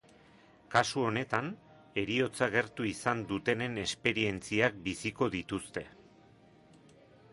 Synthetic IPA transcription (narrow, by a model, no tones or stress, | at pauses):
kasuo̞ne̞t̪an | e̞ɾio̞t͡saɣ̞e̞ɾt̪uisand̪ut̪e̞ne̞ne̞spe̞ɾie̞nt͡siak̚bisiko̞ðit̪ust̪e̞